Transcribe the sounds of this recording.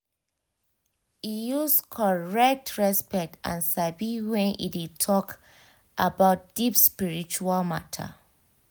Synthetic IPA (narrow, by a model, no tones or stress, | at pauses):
ijuskʰɔɹɛk̚tʰɹɛspɛk̚tã̰nsabiwɛ̃nḭdid̚tʰɔk | ʔabaʊt̚d̥ipspiɹit͡ʃualmatʰə̰